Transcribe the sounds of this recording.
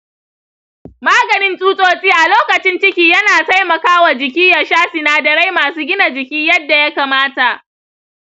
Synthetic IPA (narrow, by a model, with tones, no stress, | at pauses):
maː˦ɡɐ˨nɪ˦nsʼuː˦sʼoː˦t͡sʼiː˦ʔa˨loː˦kɐ˨t͡ʃɪ˦nt͡ʃɪ˦kʲiː˨jɐ˦naː˨ta˦jmɐ˨kaː˦wa˨d͡ʒɪ˨k̬ʲiː˦jɐ˨ʃaː˦sɪ˨naː˨dɐ˨ɽa˦jmaː˨suː˦ɡʲɪ˦na˨d͡ʒɪ˨kʲiː˦jɐ˦dːa˨ja˦kaː˨maː˦ta˨ʔ